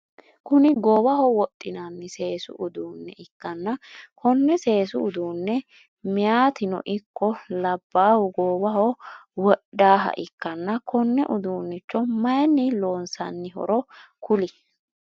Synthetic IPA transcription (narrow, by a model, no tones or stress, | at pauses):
kʊnɪɡoːbɐhɔwɔt̪ʼːɪnanːɪse̞ːsʊ̰ʔʊd̪uːnːɛʔɪkːɐnːɐkʰɔnːɛse̞ːsʊːd̪uːnːɛ | mɪjaːt̪ɪnɔ̰ʔɪkːɔlɐbːaːhʊɡoːbɐhɔwɔɗdaːɦɐ̰ʔɪkːɐnːɐkʰɔnːɛʔʊd̪uːnːɪt͡ʃːɔmɐjnːɪlo̞ːnsɐnːɪɦɔ̰ɾɔkʊlɪ